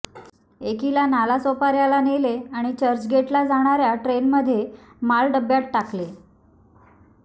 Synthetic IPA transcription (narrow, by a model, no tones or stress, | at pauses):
ekilanalasopaɾjalaneleaɽ̃it͡ɕəɾd͡ʑɡeʈlad͡zaɽ̃aɾjaʈɾenməd̪ʱːje | malɖəbjaʈʈakle